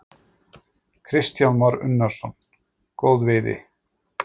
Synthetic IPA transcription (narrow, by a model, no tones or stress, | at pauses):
kʰɾɪst̪janmaɾʏ̰nːaɾ̥sɔn | koːwðvejðɪ̰